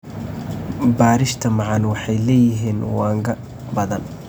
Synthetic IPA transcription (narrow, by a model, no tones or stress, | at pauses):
baːɾɪʃt̪ʰɐmɑʕɑnwɑħɑjlɛːjɪɦiːnwɑːŋkʰɐ | bɐðɐn